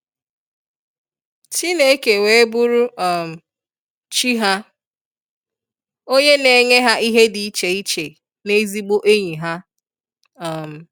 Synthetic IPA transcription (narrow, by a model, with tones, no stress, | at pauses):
t͡ʃi˦ne˦ke˨ŋʷe˦bu˦ɾʊ˦ɔ˨m̩˨ | t͡ʃi˦ɦa˦ | o˦ɲe˦ne˨ŋe˦ɦa˦ʔi˦ɦe˦di˨i˦t͡ʃe˨i˦t͡ʃe˨ | ne˦zi˦ɡ͡bo˦ʔe˦ɲi˨ɦa˦˨ | m̩˨